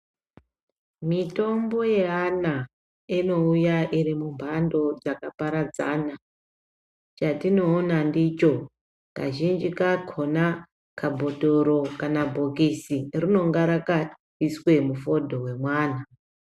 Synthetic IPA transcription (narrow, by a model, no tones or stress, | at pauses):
mito̞mbo̞je̞ana | ino̞ujaʔiɾimumbʱando̞d͡zakapaɾad͡za̰ːna | t͡ʃatino̞ːnandit͡ʃo̞ | ka̰ʒind͡ʒikakʰona | kʰabʱo̞to̞ɾo̞kanabʱo̞kisirino̞ŋɡaɾaka | iswe̞mufo̞dʱo̞we̞mwaːna